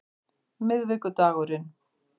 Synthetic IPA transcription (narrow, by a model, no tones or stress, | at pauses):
mɪðvɪkʏt̪aːɣʏɾɪn